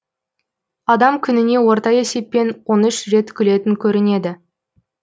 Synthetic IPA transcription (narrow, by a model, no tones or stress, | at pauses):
ɑd̪ɑmkʲʰʏnɪne̞wo̞ɾt̪ɑje̞se̞pːe̞nwo̞nʏʃre̞t̪kʲʰʏle̞t̪ɪŋkʲʰɵɾɪne̞d̪ɪ